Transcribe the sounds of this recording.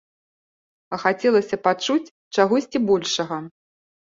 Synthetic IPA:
ɐxat͡sʲɛlˠɐsʲɐpat͡ʂut͡sʲ | t͡ʂaɣɔsʲt͡sʲibɔlʲʂɐɣɐ

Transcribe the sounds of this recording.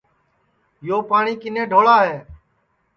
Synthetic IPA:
joːpaːɳiːkɪnẽːɖʱoːɭaːɦeː

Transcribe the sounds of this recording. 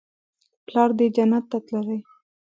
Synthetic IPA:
plɑɾd̪ed͡ʒanat̪ːat̪laɾaj

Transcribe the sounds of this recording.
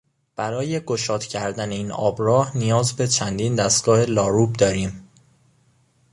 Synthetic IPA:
b̥æɾɒːje̞ɡo̞ʃɒːt̪cʰæɾd̪æne̞iːnɒːbɾɒːhnijɒːzbe̞t͡ʃʰænd̪iːnd̪æst̪̚ɡ̥ɒːhe̞lɒːɾub̚d̪ɒːɾiːm

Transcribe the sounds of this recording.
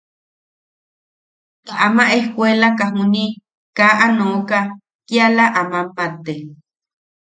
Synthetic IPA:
kaʔamãʔehkʷwelakaɦũnĩ | kaʔanõka | kjalaʔamãmpat̪e

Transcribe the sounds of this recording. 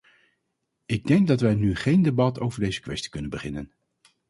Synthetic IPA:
ɪɡ̚dɛŋɡ̚dɑtʋɛjnyχejndebɑtowvəɹdejzəkʋɛsti̥kɵnənbəχɪnə̰n

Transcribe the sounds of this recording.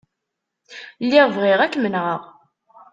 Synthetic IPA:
lːɪʁvʁɪʁækːmənʁəʁ

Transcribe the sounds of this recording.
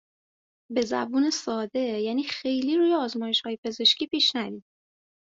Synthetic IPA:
be̞zæ̰buːne̞sɒːd̪e̞jæːniːxe̞jliːɾuːjeɒːzmɒːjeʃhɒːje̞pʰe̞ze̞ʃciːpiːʃnævi̥ː

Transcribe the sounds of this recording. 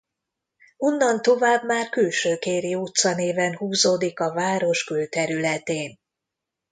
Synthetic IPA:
o̞nːɒnt̪o̞vaːbmaːrkylʃøːkeːɾijoːt̪sɒneːvɛnhuːzoːd̪ikɒvaːɾo̞ʃkylt̪ɛɾylɛt̪eːn

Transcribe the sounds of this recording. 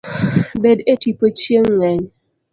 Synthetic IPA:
bedetipot͡ʃjeŋːɛɲ

